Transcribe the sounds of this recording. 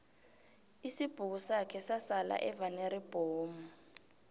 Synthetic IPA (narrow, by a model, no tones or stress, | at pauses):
isib̥ʱuk̬usakʰɛsasala̰ʔɛvaneɾib̥ʱoːmu